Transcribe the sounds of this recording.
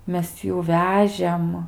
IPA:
ˈmʲɛs ˈjuː ˈʋʲæːʒʲeːm

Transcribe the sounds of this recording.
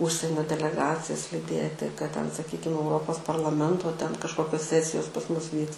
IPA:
ˈʊʃʲsʲiɛnʲoː dʲɛlʲɛˈɡɑːt͡sʲɪjɛs lʲɪˈdʲiɛtʲɪ kɐt tʲɛn sɐˈkʲiːkʲɪm ɛʊˈroːpoːs pɐrlˠɐˈmʲɛntoː tʲɛn kɐʃˈkoːkʲoːs ˈsʲæːsʲɪjoːs pɐs ˈmʊs ˈʋʲiːks

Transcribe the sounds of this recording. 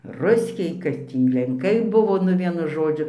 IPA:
ˈrʊsʲkʲɛɪ kɐt ˈtʲiː lʲɛŋˈkɐɪ ˈbʊʋoː nʊ ˈʋʲiɛnʊ ˈʒoːd͡ʒʲʊ

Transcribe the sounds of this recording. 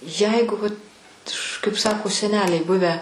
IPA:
ˈjɛɪɡʊ ʋɐt kɐɪp ˈsɑːkoː sʲɛˈnʲæːlʲɛɪ ˈbʊʋʲæː

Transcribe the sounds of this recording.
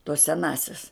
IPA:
toːs sʲɛˈnɑːsʲɛs

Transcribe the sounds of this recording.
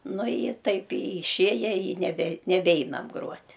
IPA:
nʊ ɪ ɪ ˈtɐɪp ɪ ɪˈʃʲeːjɛ ɪ nʲɛˈbʲɛ nʲɛˈbʲɛɪnɐm ˈɡruɔtʲ

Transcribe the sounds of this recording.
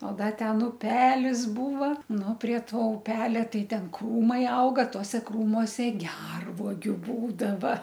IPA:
oː ˈdɐ ˈtʲɛn ʊˈpʲæːlʲɪs ˈbuːʋɐ ˈnʊ pʲrʲiɛ ˈtoː ʊˈpʲæːlʲɛ ˈtɐɪ ˈtʲɛn ˈkruːmɐɪ ˈɐʊɡɐ ˈtuɔsʲɛ ˈkruːmoːsʲɛ ˈɡʲɛrʋuɔɡʲʊ ˈbuːdɐʋɐ

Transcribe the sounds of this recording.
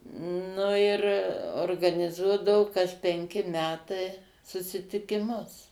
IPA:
ˈnʊ ɪr oːrɡɐnʲɪˈzuɔdɐʋʊ dɐʊk kɐs pʲɛŋʲˈkʲɪ ˈmʲæːtɐɪ sʊsʲɪtʲɪkʲɪˈmʊs

